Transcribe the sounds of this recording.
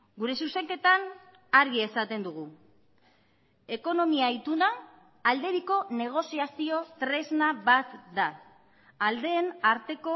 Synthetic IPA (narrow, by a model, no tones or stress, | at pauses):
ɡuɾe̞suse̞ŋke̞t̪an | aɾɣie̞sat̪e̞nd̪uɣ̞u | e̞ko̞no̞miaijt̪unaː | ld̪e̞ɾiko̞ne̞ɣ̞o̞siasio̞t̪ɾe̞znaβat̪d̪aː | ld̪e̞ːnaɾt̪e̞ko̞